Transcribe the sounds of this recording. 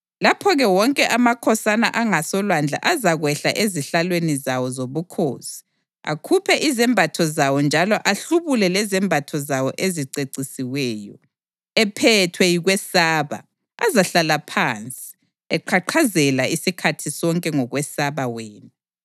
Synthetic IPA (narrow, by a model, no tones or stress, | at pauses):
lapʰɔɣɛwɔŋkʼɛʔamakʰɔsana̰ʔaŋasɔlwand͡ɮʱa̰ʔazaɣwɛɬa̰ʔeziɬalwenizawɔzoβukʰo̰ːsi̥ | a̰kʰupʰɛʔizɛmbʱatʰɔzawɔnd͡ʒʱalɔʔaɬuβulɛlɛzɛmbʱatʰɔzawɔ̰ʔeziǀeǀisiwɛːjɔ̰ | ɛpʰɛtʰwɛjiɣwɛsaːβa̰ | azaɬalapʰant͡sʼi̥ | ɛǃʰaǃʰazɛlaisikʰatʰisɔŋkʼɛŋɔɣwɛsaβaweːnu